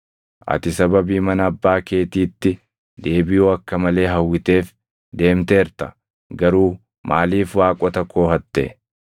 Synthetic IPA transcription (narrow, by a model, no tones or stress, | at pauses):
ʔɐ̰t̪ɪsɐbɐbiːmɐnɐːbːaːke̞ːt̪iːt̪ːɪ | d̪e̞ːbɪjuːɐkːɐmɐle̞ːɦɐwːɪt̪e̞ːf | d̪e̞ːmt̪e̞ːɾt̪ɐ̥ | ɡɐɾuː | mʔa̰ːliːfwaːkʼɔt̪ɐkːo̞ːhɐt̪ːḛ